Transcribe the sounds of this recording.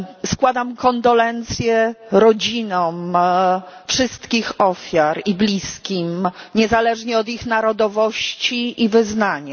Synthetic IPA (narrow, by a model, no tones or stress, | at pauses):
skwad̪amkɔnd̪ɔlɛnt̪sʲjɛɾɔd͡ʑinɔ̃m | fʂɘst̪kʲixɔfʲjaɾiblʲiskʲimɲɛzalɛʐɲɛɔd̪ixnaɾɔd̪ɔvɔɕt͡ɕiʔivɘznaɲa